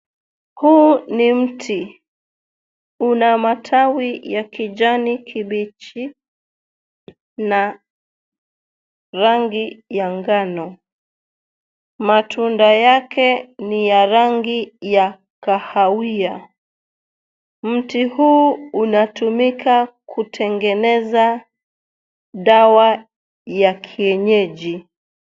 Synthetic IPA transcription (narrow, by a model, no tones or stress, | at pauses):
huːnim̩tʰi | unamatʰawijakid͡ʒanikʰiɓit͡ʃi | na | ɾaŋɡijaŋɡanɔ | matʰundajakɛnijaɾaŋɡija | kahawia | m̩tihuːunatumikʰakʰutʰɛŋɡɛnɛza | ɗawa | jakʰiɛɲɛʄi